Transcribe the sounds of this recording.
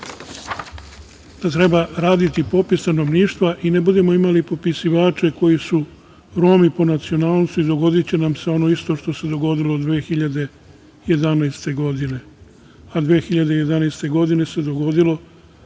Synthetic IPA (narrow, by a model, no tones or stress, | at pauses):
d̪̥at̪ɾe̞baɾaːd̪it̪ipo̞pist̪ano̞ʋniːʃt̪ʋaʔinebud̪e̞mo̞imalipo̞pisiʋaːt͡ʃe̞ko̞jisu | ɾo̞mipo̞nat̪sio̞naːlˠnsuid̪o̞ɡo̞d̪it͡ɕe̞namse̞o̞no̞ist̪o̞ʃt̪o̞se̞d̪o̞ɡo̞d̪ilo̞d̪ʋeːxiʎad̪e̞ | je̞d̪anaːst̪e̞ɡo̞d̪ine̞ | ad̪ʋe̞ːxiʎad̪e̞je̞d̪anaːst̪e̞ɡo̞d̪ine̞se̞d̪o̞ɡo̞d̪ilo̞